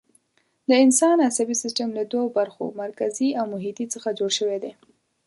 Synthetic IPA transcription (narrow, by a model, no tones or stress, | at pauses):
d̪əɪnsɑnasabisɪsʈəmlad̪waobaɾxo̰maɾkaziawmʊɦit̪it͡səxad͡ʒoɽʃəwed̪e